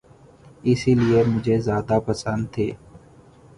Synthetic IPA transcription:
ɪsiliemʊd͡ʒʱezjaːd̪apəsə̃nd̪̚t̪ʰeː

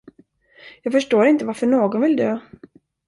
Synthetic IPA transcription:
jɑːɡfœʂʈoːɾɪnt̪əvaɾfœɳoːɡɔnvɪld̪øː

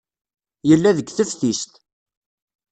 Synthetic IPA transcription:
jəlːæðəɡθəfθist̪

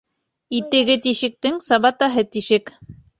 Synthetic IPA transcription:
it̪ɘ̆ɡɘt̪iʃɘ̆k̚t̪ɘŋsɑβɑt̪ɑɦɤt̪iʃɘk

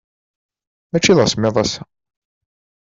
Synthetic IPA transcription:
mæt͡ʃːiðʁsmːeðˤæsæ

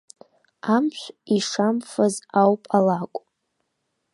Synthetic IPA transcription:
amt͡ʃʷʰiʂamfazawpʼalakʷʼ

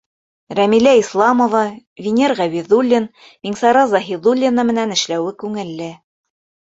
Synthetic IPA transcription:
ɾæmilæislˠɑmovɑvʲinʲerʁæβiðulʲːin | miŋsɑɾɑzɑɦiðulʲːinɑmɘ̆nænɘ̆ʃlæwɘkʉŋɘ̆lːɘ

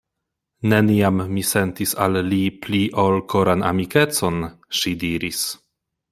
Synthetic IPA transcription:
ne̞niamːise̞ntisa̰lːipliʔolkʰo̞ɾana̰mike̞t͡so̞nʃidiɾis

